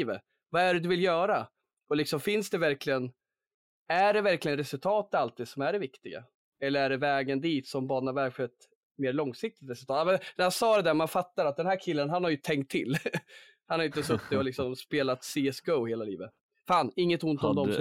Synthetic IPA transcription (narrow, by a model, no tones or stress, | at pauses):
və | vaæɖɛd̪ɵvɪljœːɾa | ɔlɪksɔmfɪnsd̪ɛvæɾklɪɡən | æɖɛvæɾklɪɡənɾɛsɵlt̪ʰɑːt̪alt̪ʰiːd̪sɔmæɖɛvɪkt̪ɪɡa̰ | ɛlːəɾæɖɛvɛːɡənd̪iːt̪sɔmbɑːnavæɾɧɛt̪ | meːɾɭɔŋsɪk̚t̪ɪ̥t̪ɾɛsɵlt̪ɑːt̪ːmɛnhansɑːd̪ɛd̪æːɾmanfat̪ːaɾat̪̚d̪ɛnɦæːɾkʰɪlːənɦanhaɾjɵt̪ʰɛŋkt̪ʰːɪlː | hanhaɾjʏnt̪əsɵt̪ːɪɔlɪksɔmspeːlat̪siɛsɡəʊheːlalḭːvət̪ | faːnɪŋːət̪ʊnt̪ɔmd̪ɔm